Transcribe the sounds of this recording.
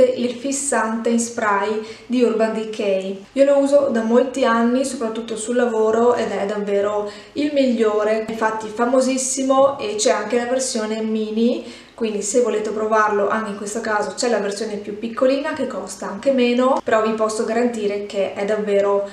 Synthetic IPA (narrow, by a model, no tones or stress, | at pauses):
eilfisːant̪einspɾaj | d̪iurband̪ikʰɛj | iːolouːzod̪amolt̪ianːisopɾat̪ːut̪ːosulːavoːɾoed̪ɛd̪avːeːɾo | ilmiʎːoːɾeɱfat̪ːifamozisːimoet͡ʃɛaŋk̟elaversjoːnemiːni | kwind̪isevːoleːt̪epɾovarloʔa̰ŋk̟eiŋkwest̪okaːzot͡ʃɛlaversjoːnepjupːikːoliːnakekːɔst̪aaŋkemeːnopeɾɔvipɔsːoɡaɾant̪iːɾekeʔɛd̪ːavːeːɾo